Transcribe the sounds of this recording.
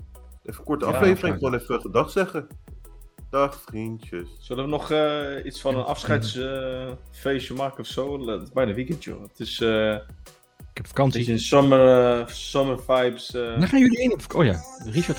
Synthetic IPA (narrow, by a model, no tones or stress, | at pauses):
ɛfəkɔɹtəɑflejfərɪ̃ŋoːnɛfəɛədɑχsɛχə | d̥ɑχfrintjəssøləʋənɔχitsfɔnnənʔɑfsχɛjtsəfejʃəmarkəɔfsoːlɪzbɛjnaəʋikɛntjo̰ətɪsə | ɪkɛpfḁkɑnsinsɔməsɔməɹfajpsaχaːnjølienfojariʃaɹt